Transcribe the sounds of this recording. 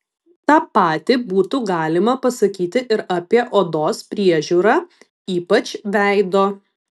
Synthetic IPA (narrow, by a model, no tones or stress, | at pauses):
t̪ɑːpɑːt̪ʲɪbuːt̪uɡɑːlʲɪmɐpɐsɐkʲiːt̪ʲɪʔɪɾɐpʲiɛʔoːd̪oːspʲɾʲiɛʒʲuːɾɑː | iːpɐt͡ʃʲʋʲæˑɪd̪oː